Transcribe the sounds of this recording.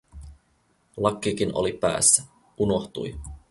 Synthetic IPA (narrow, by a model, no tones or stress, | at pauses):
lɑkːik̟ino̞̰lipæ̰ːsːæ | ʔuno̞xt̪ṵj